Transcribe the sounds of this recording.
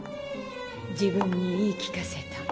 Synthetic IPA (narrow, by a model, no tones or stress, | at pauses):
d͡ʑibɯ̃ɲːiiːkʲi̥kase̞t̪a